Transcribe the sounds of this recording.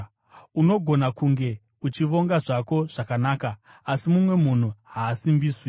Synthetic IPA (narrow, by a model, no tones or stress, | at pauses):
uno̞ɡʱo̞nakuŋɡe̞ | ut͡ʃiʋo̞ŋɡaʐako̞ʐ̥akanaːka | asimumwe̞mun̤uɦaːsimbiːswi